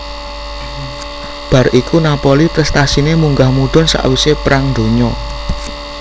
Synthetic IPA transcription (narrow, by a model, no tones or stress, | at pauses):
b̥a̤ɾʔikʰunapɔlipɾɛst̪asinemuŋɡahmuɖ̪̥ɔ̤nsa̰ʔwisepɾaŋnd̪o̤ɲɔ